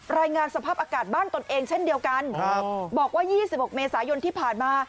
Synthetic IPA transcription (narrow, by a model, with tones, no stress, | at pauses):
ɾaː˧jŋaː˧nsa˧pʰaː˥˩p̚ʔaː˧kaː˨˩t̪̚baː˥˩nt̪o˧nʔeː˧ŋt͡ɕʰe˥˩ndi˧əwka˧n˦bɔː˨˩k̚waː˥˩jiː˥˩si˨˩p̚ho˨˩k̚meː˧saː˩˦jo˧nt̪ʰiː˥˩pʰaː˨˩nmaː˧